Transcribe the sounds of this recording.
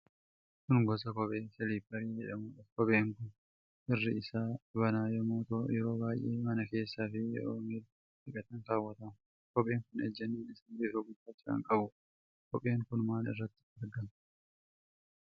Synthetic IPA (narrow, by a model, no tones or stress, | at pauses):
kʊnɡɔs̬ɐkɔpʼe̞ːsɛliːfbɐɾiːd͡ʒɛᶑɐmuːᶑɐfkɔpʼe̞ːŋkʊn | ʔɪrːɪɪsaːbɐnaːjɛmoːt̪oːjɛɾo̞ːbaːjʔːeːmɐnɐke̞ːsːaːfɪjɛ̰ɾo̰ːŋɡɛd̪ʊ | ɪkʼɐt̪ɐŋkaːwːɐt̪ɐm | kɔpʼe̞ːŋkʊnɛd͡ʒːɛnːeːnɪsɪnbɛɾoːɡʊfaːt͡ʃːɪɾɐ̰ŋkʼɐbʊ | kɔpʼe̞ːŋkʊnmaːnɪ̰rːɐt̪ːɪ̥dɐɾɡɐm